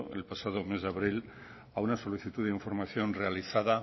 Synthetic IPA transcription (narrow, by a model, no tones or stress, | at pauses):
e̞̰lpasað̞o̞mezðaβɾil | aunaso̞liθit̪uðeiɱfo̞ɾmaθjo̞nrealiθaða